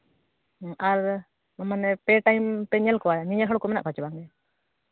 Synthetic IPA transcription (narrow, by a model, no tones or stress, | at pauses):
ʔaɾ | amanɛpɛʈajmpɛɲɛlkɔwaɲɛɲɛlɦəɽkɔmɛna̰ʔpʰat͡ʃbaŋɡɛ